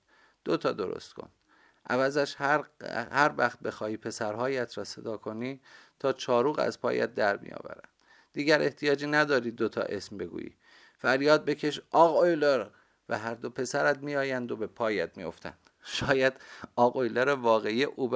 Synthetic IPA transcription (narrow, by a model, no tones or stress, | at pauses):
d̪̥ot̪ʰɒ̰ːd̪o̞ɾo̰st̪kʰo̰nd̪̥ | ʔævæzæʃhæɾhæɾvæxt̪̚be̞xɒːiːpʰe̞sæɾɦɒːjæt̪ʰɾɒːse̞d̪ɒːkʰo̞niːt̪ʰɒːt͡ʃʰɒːɾuːɣæ̰zpʰɒ̰ːjæ̰t̪̚d̪æɾmḭjɒ̰ːvæ̰ɾæ̰nd̥̪ | d̪iːɡɟæɾe̞ht̪ʰijɒːd͡ʒiːnæd̪ɒːɾiːd̪ot̪ʰɒ̰ːʔe̞smbe̞ɡṵːjḭː | fæɾjɒːd̪̚be̞cʰe̞ʃɒːɣojleɾ | væ̰ɦæɾd̪o̞pʰe̞sæɾæt̪miːjɒːjænd̪o̞be̞pʰɒːjæt̪mijo̞̰ft̪ʰæ̰nd̪̥ʃɒːjæd̪̥ɒːɣojleɾevɒːɣeijeʔuːb